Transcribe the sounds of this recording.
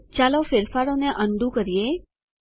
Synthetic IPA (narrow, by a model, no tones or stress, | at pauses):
t͡ʃalofɪɾfaɾoneʔəɳɖ̪ũkəɾije